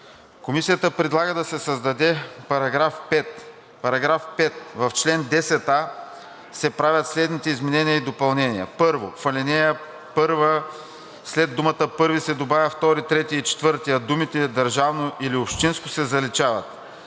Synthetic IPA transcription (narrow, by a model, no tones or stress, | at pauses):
komisijət̪əpɾɛd̪lˠaɡəd̪ɐsɛsɐzd̪ɐd̪ɛpɐɾɐɡɾafpɛt̪ | pɐɾɐɡɾafpɛt̪̚vɐft͡ʃlɛnd̪ɛsɛt̪a | sɛpɾavʲɐt̪slɛd̪nit̪ɛizmɛnɛniəid̪opɐlˠnɛniɐ̰pɤɾvofɐlinɛjə | pɤɾvə | slɛd̪ːumɐt̪əpɤɾvisɛd̪obavʲəft̪ɔɾit̪ɾɛt̪iit͡ʃɛ̥t̪vɤɾt̪iɐd̪umit̪ɛd̪ɐɾʒavnoʔiliopʃt̪inskʊsɛzɐlit͡ʃavɐ̰t̪̚